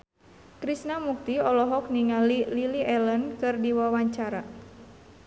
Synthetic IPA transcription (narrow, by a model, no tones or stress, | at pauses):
kɾisnamuk̚t̪iɔlɔɦɔk̚niŋalililiʔɛlənkɨrdiwawaɲt͡ʃaɾa